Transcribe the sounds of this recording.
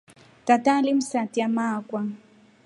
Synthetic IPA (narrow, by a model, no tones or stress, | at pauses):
t̪at̪alimsat̪jamaːkʷa